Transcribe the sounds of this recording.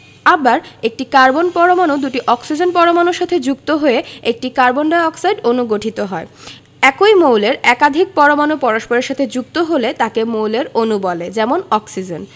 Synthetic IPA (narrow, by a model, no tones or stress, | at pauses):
abaɾek̚ʈikaɾbonpɔɾomanod̪uʈiʔɔksid͡ʑonpɔɾomanoɾʃat̪ʰed͡ʑukt̪oɦoeek̚ʈikaɾbonɖaɔksajɖonuɡoʈʰit̪oɦɔe | ɛkojmowleɾɛkad̪ʱik̚pɔɾomanopɔɾoʃpoɾeɾʃat̪ʰed͡ʑuk̚t̪oɦolet̪akemowleɾonubɔled͡ʑɛmonɔksid͡ʑen